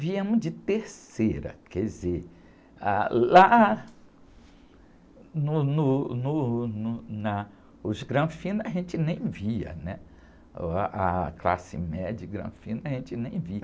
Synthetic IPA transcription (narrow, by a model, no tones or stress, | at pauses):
viɐ̃mʊzd͡ʒɪt̪eɾseɾɐ̰kʰɛɪze | ala | nʊnʊnʊnʊnɐ | ʊzɡɾɐ̃fĩnɐʒẽnt͡ʃɪnẽj̃viɐ̰nɛ | akla̰sɪ̰mɛd͡ʒɪɡɾɐ̰̃fĩnɐʒẽnt͡ʃɪnẽj̃viɐ